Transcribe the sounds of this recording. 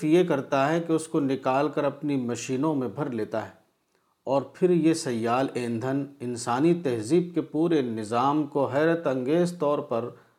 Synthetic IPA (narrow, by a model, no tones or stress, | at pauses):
jekɐɾt̪aɦɛkeʊskonɪkaːlkɐɾɐpnimɐʃiːnõmẽbʱɐɾleːt̪aɦɛː | ɔːɾpʰɪɾjesɐjːaːlẽːnd̪ʱənɪnsaːnit̪ɛɦziːb̚kepuːɾenɪzaːmkoɦɛːɾət̪ɐ̃ŋɡeːzt̪ɔːɾpɐɾ